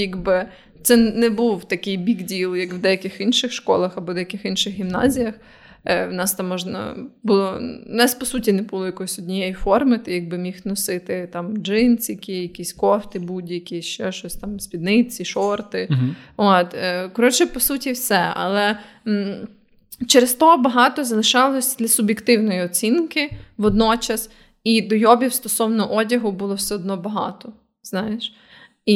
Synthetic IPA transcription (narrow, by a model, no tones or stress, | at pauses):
jaɡbɪ | t̪sɛnɛbuwt̪ɐkɪjbʲiɡdʲilˠjɐkwd̪ɛjɐkɪxinʃɪxʃkɔlˠɐxɐbɔd̪ɛjɐkɪxinʃɪxɦʲimnɑ̰zʲijɐx | wnɑst̪ɑmːɔʒnɐ̰bʊlˠɔnɛspɔsutʲinɛbʊlˠɔjɐkɔjisʲɔdʲnʲijɛjifɔrmɪt̪jɐɡ̚bɪmʲixnɔsɪt̪ɪt̪ɑmd͡ʒɪnsʲjɐkʲijɐkʲisʲkɔft̪ɪbudʲjɐkʲiʃɔʃɔsʲt̪ɑmsʲpʲid̪nɪt͡sʲiʃɔrt̪ɪot̪ːkɔɾɔt͡ʃɪpɔsutʲiwsɛɐ̰lˠɛ | t͡ʃɛɾest̪ɔɦɔbɐɦɑt̪ɔzɐlˠɪʃɑlˠɔsʲd̪ʲlʲɐsʊbʲjekt̪ɪwnɔjiɔt͡sʲinkɪʋɔd̪nɔt͡ʃɐs | id̪ɔjɔbʲiwst̪ɔsɔwnɔʔɔdʲɐɦʊbulˠɔwsɛɔd̪nɔbɐɦɑ̰t̪ɔ | z̥nɑjeʃ | i